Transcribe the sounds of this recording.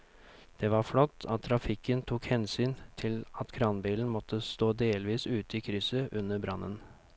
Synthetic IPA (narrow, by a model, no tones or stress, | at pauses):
d̪̥ɛʋɑɾflɔt̪ːɑt̪ʰːɾɑfɪkənt̪ʰuːkhɛnsyːnt̪ʰɪlɑt̪kʰɾɑnbiːln̩mɔt̪ʰːəst̪oːd̪eːlʋiːsʉːt̪əiːkʰɾʏsəʔʉnːəbɾɑnːə̰n